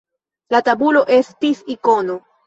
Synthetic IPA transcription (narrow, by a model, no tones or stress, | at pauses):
latabulo̞ʔe̞stisiko̞no̞